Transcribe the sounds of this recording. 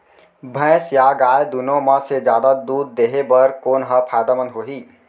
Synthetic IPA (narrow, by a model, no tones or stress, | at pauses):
bʱə̃ɪsjaɡajd̪unoməsed͡ʒjad̪ad̪uːd̪̚ːeɦebəɾkoːnɦəpʰajd̪amənɦoɦi